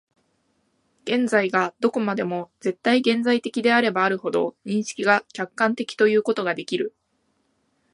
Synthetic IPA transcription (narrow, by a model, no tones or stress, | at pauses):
ɡ̥ẽ̞nzaiɡad̪̥o̞ko̞mad̪e̞mo̞d͡ze̞t̪ːaiɡẽ̞nd͡zait̪e̞kʲid̪e̞aɾe̞baːɾɯ̟ho̞d̪o̞̰ɲ̟ĩɰ̃ɕi̥kʲiɡakʲakːãnt̪e̞kʲi̥t̪o̞jɯ̟ːko̞t̪o̞ɡad̪e̞kʲiɾɯ̟